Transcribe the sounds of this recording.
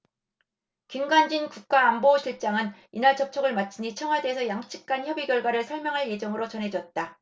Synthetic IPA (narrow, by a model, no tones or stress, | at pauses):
kimɡand͡ʑinkuk̚k͈aːmboɕʰiɭt͡ɕ͈aŋɯninaɭt͡ɕʌp̚t͡ɕʰʌɡɯɭmat͡ɕʰiɲit͡ɕʰʌŋɦwadesʰʌjaŋt͡ɕʰi̥k̚k͈ançjʌbiɡjʌɭɡwaɾɯɭsʰʌɭmjʌŋɦaɭje̞d͡ʑʌŋɯɾot͡ɕʌnɦe̞d͡ʑʌt̚t͈a